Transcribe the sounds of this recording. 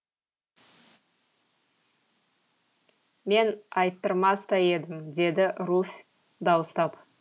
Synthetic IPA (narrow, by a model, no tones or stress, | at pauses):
me̞nɑjt̪ːəɾmɑst̪ɑje̞d̪ɪmd̪e̞d̪ɪɾufʲ | d̪ɑwəst̪ɑp